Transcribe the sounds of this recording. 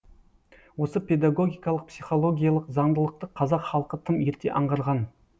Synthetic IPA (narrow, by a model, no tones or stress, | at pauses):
wo̞səpe̞d̪aɡo̞ɡʲijkɑlˠəq̚psijχo̞lˠo̞ɡʲijalˠəqzɑnd̪əlˠəq̚t̪əqʰːɑzɑqχɑlˠəqət̪ʰəmje̞ɾt̪e̞̰ʔɑɴʁɑɾʁɑn